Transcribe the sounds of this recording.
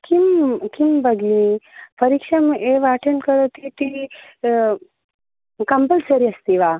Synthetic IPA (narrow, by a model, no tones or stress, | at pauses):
kimkimbɐɡipɐɾikʂɐmʔeʋaːʈʰɐnkɐɾot̪it̪i | kɐmpəlsɐɾiɐst̪iʋaː